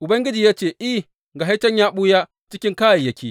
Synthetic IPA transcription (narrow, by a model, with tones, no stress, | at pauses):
ʔʊ˨bɐ˦ŋɡʲɪ˦d͡ʒi˨jaː˦t͡ʃeː˦˨ʔi˦ | ɡa˨ɦa˦tɐ˦ɲjaː˦ɓuː˦ja˦ | t͡ʃɪ˦kʲɪ˦ŋkaː˦ja˨jɐ˦˨kʲiː˦